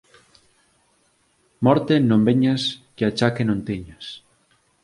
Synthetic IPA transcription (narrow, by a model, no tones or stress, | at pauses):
mɔɾt̪enõmbeɲaskeat͡ʃakenõnt̪iɲas